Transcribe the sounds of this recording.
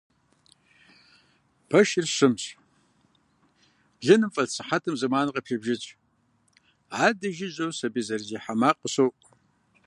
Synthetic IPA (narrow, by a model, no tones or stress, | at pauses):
pʰɐʃɪrɕɪmɕʼ | bɮɐnɨmfʼɐɮt͡sʰɨħatʰɨmzɨmaːnɨqʼɐpɬɐbʒɪt͡ɕʼ | ʕaːdɐʒiʑʼowsɐbizɐrziːħamaːqʼəɕowʔ